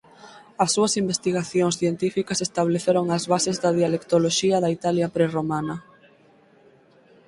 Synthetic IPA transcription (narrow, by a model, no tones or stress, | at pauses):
ɐsːuɐsimbest̪iɣaθjoŋsθjent̪ifikɐsest̪aβleθeɾoŋɐzβasezðɐðialekt̪oloʃiɐðɐit̪aljɐpɾeromanɐ